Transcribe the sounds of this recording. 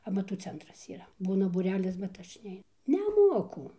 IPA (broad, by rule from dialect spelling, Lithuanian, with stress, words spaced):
ɐmɐˈtuː ˈt͡sʲɛntrɐs iːˈrɐ ˈbuːnɐ buːˈrʲæːlʲɪs bʲɛt ˈɐʃ ˈnʲɛɪ nʲɛˈmuɔkʊ